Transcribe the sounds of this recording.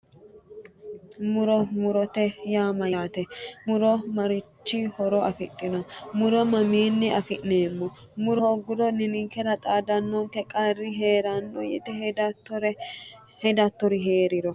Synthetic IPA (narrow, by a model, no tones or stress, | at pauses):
mʊɾɔmʊɾɔt̪ɛjaːmɐjaːt̪ɛmʊɾɔmɐɾɪt͡ʃːɪhɔɾɔɐfɪt̪ʼːɪnɔmʊɾɔmɐmiːnːɪʔɐfɪnːeːmːɔ | mʊɾɔhɔɡʊd̪ɔnɪnɪŋkːɛɾɐt̪ʼaːd̪ɐnːɔŋkɛkʼɐrːɪɦe̞ːɾɐnːɔjɛ̰t̪ɛhdt̪ːɔɾɛ | hɛd̪ɐt̪ːɔɾɪɦe̞ːɾɪɾɔ